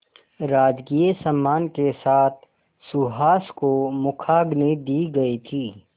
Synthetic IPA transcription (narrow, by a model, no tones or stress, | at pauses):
ɾaːd͡ʒkiːesəmːaːnkesaːt̪ʰ | sʊɦaːskomʊkʰaːɡnid̪iːɡɐit̪ʰiː